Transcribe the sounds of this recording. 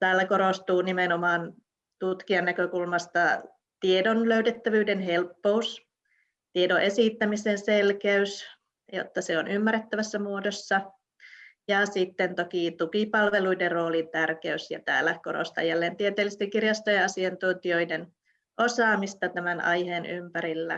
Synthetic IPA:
t̪æːlːækoɾost̪uːnimenomɑːn | t̪ut̪kiɑnːækøkulmɑst̪ɑ | t̪iedonløyt̪et̪ːæʋyːdenhelpːous | t̪iedoʔesiˑt̪ːæmisenselkæys | jo̰t̪ːɑseonymːærˑet̪ːæʋæsːæmuodosːɑ | jɑsit̪ːent̪okit̪ukipɑlʋeluiderroːlint̪ærkeysjɑ̰t̪æ̰ːlækoɾo̰st̪ɑ̰jjælːeːnt̪iet̪eːlːist̪eŋkirjɑst̪ojɑɑsiɑnt̪unt̪ioiden | ʔosɑːmist̪ɑt̪æmænɑ̰iheːnʔy̰mpæɾilːæ̰

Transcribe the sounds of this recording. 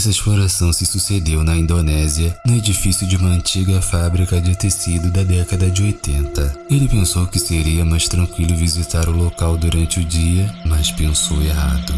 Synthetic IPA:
ɛsɐeʃploɾasɐ̃w̃sɪsused̪ewnɐĩnd̪onɛziɐnʊed͡ʒifisjʊd͡ʒɪũmɐɐ̃nt͡ʃiɡɐfabɾikɐd͡ʒɪt̪esid̪ʊd̪ɐd̪ɛkɐd̪ɐd͡ʒɪojt̪ẽnt̪ɐelɪpẽsowkɪseɾiɐmajʃt̪ɾɐ̃ŋkwilʊvizit̪aɾʊlokawd̪uɾɐ̃nt͡ʃɪʊd͡ʒiɐmɐspẽsoweɦa̰d̪ʊ

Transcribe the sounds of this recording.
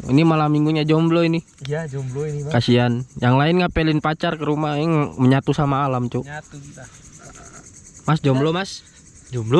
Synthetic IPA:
ḭnimalamiŋɡuɲad͡ʒɔmblɔini | kasianjaŋlaɪnŋaʔpelɪnpat͡ʃarkəɾumaiŋməɲat̪usamaːlamt͡ʃu | masd͡ʒɔmblɔmas | d͡ʒmblɔ

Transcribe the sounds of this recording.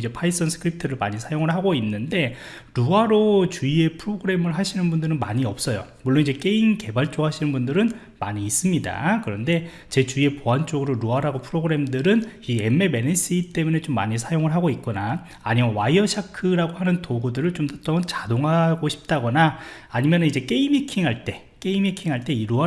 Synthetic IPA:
id͡ʑe̞pʰais͈ʌnsʰɯ̥kʰɯɾip̚tʰɯɾɯɭmaɲisʰajoŋɯɭɦaɡoinːɯnde̞ | ɾuaɾot͡ɕuie̞pʰɯɾoɡɯɾe̞mɯɭɦaɕʰinɯnbundɯɾɯnmaɲiʌp̚s͈ʌjo̰muɭːonid͡ʑe̞k͈e̞inke̞baɭt͡ɕ͈oɦaɕʰinɯnbundɯɾɯn | ma̰ɲiːs͈ɯmɲida̰kɯɾʌnde̞ | t͡ɕe̞t͡ɕuie̞poɦant͡ɕ͈oɡɯɾoɾuaɾaɡopʰɯɾoɡɯɾe̞mdɯɾɯnieme̞me̞nes͈ʰit͈e̞mune̞t͡ɕomːa̰ɲis̬ʰajoŋɯɭɦaɡoik͈ona̰ː | ɲimowaiʌɕʰakʰɯɾaɡoɦanɯntoɡudɯɾɯɭt͡ɕomtat͈ʌʌnt͡ɕadoŋɦaɡoɕʰi̥p̚t͈aɡʌnaː | ɲimjʌnɯnid͡ʑe̞k͈e̞imekʰiŋɦaɭt͈e̞ | k͈e̞imekʰiŋɦaɭt͈e̞iɾua

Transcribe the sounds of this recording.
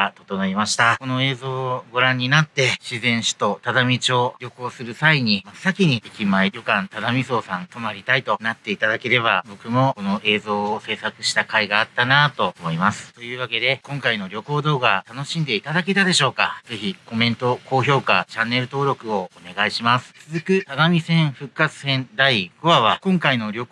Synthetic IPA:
t̪o̞t̪o̞noimaɕi̥t̪ako̞no̞e̞ːzo̞ːɡo̞ɾãɲ̟ːinat̪ːe̞ɕizẽ̞ɰ̃ɕi̥t̪o̞t̪ad̪amʲit͡ɕo̞ːɾʲo̞ko̞ːsɨɾɯ̟saiɲ̟imasakʲiɲ̟iikʲimaeɾʲokãnt̪ad̪amʲiso̞ːsãnt̪o̞maɾʲit̪ait̪o̞nat̪ːe̞it̪ad̪ake̞ɾe̞βabo̞kɯ̟mo̞ko̞no̞ʔe̞ːzo̞ːse̞ːsakɯ̟ɕi̥t̪akaiɡaːt̪ːanat̪o̞omo̞imasɨ̥t̪o̞jɯ̟ːβake̞d̪e̞kõ̞ŋkaino̞ɾʲo̞ko̞ːd̪o̞ːɡat̪ano̞ɕĩnd̪e̞it̪ad̪ake̞t̪ad̪e̞ɕo̞ːkaz̥e̞çiko̞mẽ̞nt̪o̞ko̞ːço̞ːkat͡ɕãnːe̞ɾɯ̟t̪o̞ːɾʲo̞kɯ̟o̞one̞ɡaiɕimasɨ̥t͡sɨzɨkɯ̟t̪ad̪amʲisẽ̞ɰ̃ɸɯ̟kːat͡sɨ̥sẽ̞nd̪aiɡ̥o̞βaβakõ̞ŋkaino̞ɾʲo̞k

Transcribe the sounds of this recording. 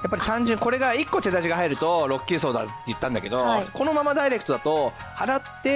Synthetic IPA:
japːaɾit̪ãɲd͡ʑɨ̃ŋko̞ɾe̞ɡaikːo̞t̪e̞d̪aʑiɡaɦaiɾɯ̟t̪o̞ɾo̞kʲːɨːs̬o̞ːd̪a̰t̪ːe̞jɯ̟t̪ːãnd̪a̰ke̞d̪o̞iko̞no̞mamad̪aiɾekɯ̟̥t̪o̞d̪at̪o̞ | haɾat̪ːe̞

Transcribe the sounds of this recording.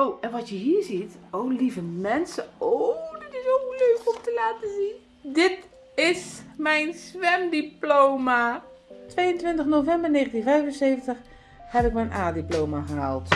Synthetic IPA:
owɛnʋɑtjəɦiːɹzitowlivəmɛnsəodɪtɪsoløːkɔmtəlaːtəzin | dɪt | ɪsmɛjnsʋɛmdiplowma | tʋejəntʋɪntəχnowvɛmbəɹneːχəntinvɛjvənsejvəntəχ | hɛpɪk̚mɛjnʔaːdiplowmaχəɦa̰lˠt

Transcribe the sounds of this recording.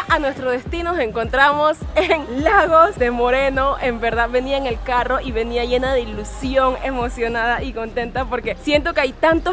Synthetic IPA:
anwe̞st̪ɾo̞ðe̞st̪inose̞ŋko̞nt̪ɾamo̞s | eŋlaɣo̞zd̪e̞mo̞ɾe̞no̞ʔe̞mbe̞ɾðaðβe̞niaeŋe̞lkaro̞ʔiβe̞niaʝe̞naðeilusjoŋe̞mo̞sjo̞naðaʔiko̞nt̪e̞nt̪apo̞ɾkesje̞nt̪o̞keajt̪ant̪o

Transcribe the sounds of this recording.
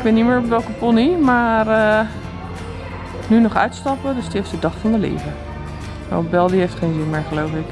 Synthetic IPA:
k̚bɪnːimɪːɹɔpʋɛlˠkəpɔnimaːrə | nynɔχœ̰ɥtstɑpədøstiefstdədɑχfɑndəlḛːvə | ʋɛ̰bɛlˠdiɦejftχejnzɪnmɪːɹχəlowfɪk

